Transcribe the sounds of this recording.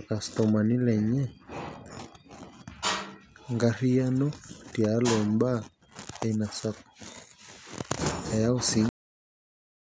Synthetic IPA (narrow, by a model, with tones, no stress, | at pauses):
ka˨st̪ɔma˨ni˦lɛ˨ɲɛ˦ | ŋɡa˦ɾi˦ja˦nɔ˦ti˨alɔ˨mba˦ | a˨ina˨sak | a˨ja˦usi˦